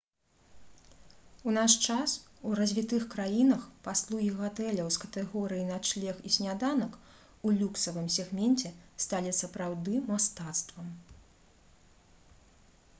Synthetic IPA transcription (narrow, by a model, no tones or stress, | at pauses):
unaʂt͡ʂasuɾɐzʲvʲit̪ɨxkɾajinɐxpaslˠuɣʲiɣat̪ɛlʲɐwskɐ̥t̪ɛɣɔɾɨjinat͡ʂlʲɛxisʲnʲad̪anɐk | ulʲuksɐvɨmsʲɛɣmʲɛnt͡sʲɛst̪alʲisɐpɾawd̪ɨmast̪at̪st̪vɐm